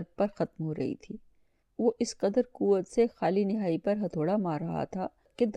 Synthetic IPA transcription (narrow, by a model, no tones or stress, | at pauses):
ɾ̚pɐɾxɐt̪mɦoɾɐ̰ɦḭt̪ʰiː | ʋoʔɪsqɐd̪əɾkuːʋət̪sexaːlinɪɦaːipɐɾɦɐt̪ʰoːɽamaːɾɐɦa̰t̪ʰaː | ked̪